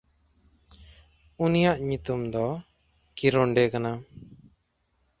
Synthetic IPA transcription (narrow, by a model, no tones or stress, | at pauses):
unijaʔɲut̪umd̪ɔ | kiɾɔɳɖɛkana